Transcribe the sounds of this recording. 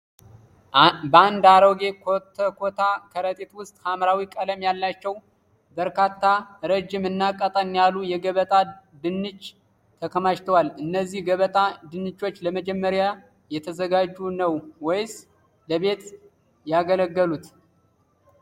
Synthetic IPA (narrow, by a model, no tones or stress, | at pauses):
bəand̪aɾoɡe̞kʰot̪ʰəkʰot̪ʰakʰəɾət̪ʼet̪wʊst̪ʼhamɾawikʼələmjalːat͡ʃːɛw | bəɾkat̪ʰːaɾəd͡ʒːɪmɨnːakʼːət̪ʼənjalujɛɡəβət̪ʼa | d̪ɨnːɨt͡ʃː | t̪ʰəkʰəmaʃt̪ʰəwalɨnːəzːihɡəβət̪ʼad̪ɨnːɨt͡ʃːo̞t͡ʃːləməd͡ʒɛmːəɾja | jɛt̪ʰəzəɡad͡ʒːunəwwɔjs | ləβe̞t̪ | jaɡələɡːəlut̪